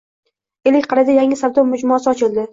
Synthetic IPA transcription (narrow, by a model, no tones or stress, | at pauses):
elɪkʲqʰɑɾɪd̪ajaŋɪsabd̪ɒmʊd͡ʒmɒsɪɒt͡ʃʰɪlˠd̪ɪ